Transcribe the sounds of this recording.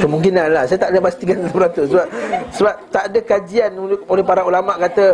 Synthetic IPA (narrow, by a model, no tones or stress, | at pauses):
kəmũŋkinanlahsajat̪aʔdəpast̪ikant̪əbəɾat̪usəbap̚səbap̚t̪aʔadəkad͡ʒianolɛhpaɾaulamãʔkat̪ə